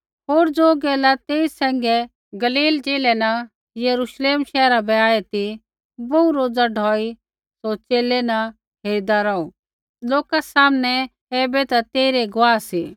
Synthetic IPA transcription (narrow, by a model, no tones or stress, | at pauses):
ɦoːɾd͡zoːɡɛːlat̪eːisɛ̃ːŋɡɛ | ɡɐliːld͡ʒeːlɛnɐ | jɐɾuʃleːmʃɛːɾabɛaːet̪i | bɐuɾoːd͡zaɖʱɔːi | sot͡ʃeːlɛnɐ | ɦeːɾid̪aɾɐu | loːkasaːmnɛ | ɛːbɛt̪at̪eːɾeɡʊʋaːsiː